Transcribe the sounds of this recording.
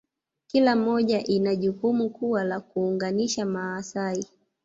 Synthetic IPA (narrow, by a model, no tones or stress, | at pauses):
kilam̩ɔʄaʔinaʄukumukuwalakuːŋɡaniʃamaːsai